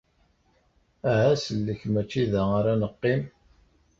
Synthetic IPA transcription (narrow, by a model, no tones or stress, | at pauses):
æhæsəlːəçmæt͡ʃːiðæaɾænəqːim